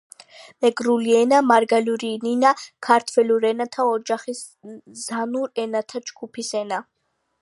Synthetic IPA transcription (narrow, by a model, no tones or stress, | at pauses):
mɛɡɾuliɛnamaɾɡaluɾininakʰaɾt̪ʰwɛluɾɛnat̪ʰaɔd͡ʒaχis | zanuɾɛnat̪ʰad͡ʒɡupʰisɛna